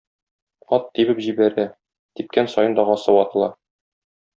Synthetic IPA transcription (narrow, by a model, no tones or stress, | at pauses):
ɒt̪ːibɘpʑibæɾæ | t̪ip̚kænsɒjɤnd̪ɒʁɒsɤwɒt̪ɤ̆lˠɑ